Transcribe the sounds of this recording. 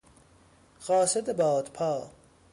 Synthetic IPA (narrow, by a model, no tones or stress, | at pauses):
ɢɒːsed̪ebɒːd̪pʰɑː